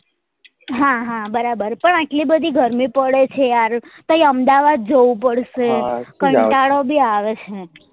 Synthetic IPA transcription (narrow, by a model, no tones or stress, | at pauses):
ɦãɦãbəɾabəɾpəɳaʈlibəd̪ʱiɡʱəɾmipəɽet͡ʃʰeaɾt̪oiəmd̪aʋad̪̚d͡ʒoʋũpəɽʃekəɳʈaɽobiaʋet͡ʃʰe